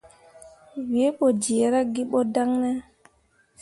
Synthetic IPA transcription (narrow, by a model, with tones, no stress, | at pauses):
wi˨e˦ɓɔ˨d͡ʒi˨ɾa˦ɡi˦ɓɔ˦da˦ŋnɛ˦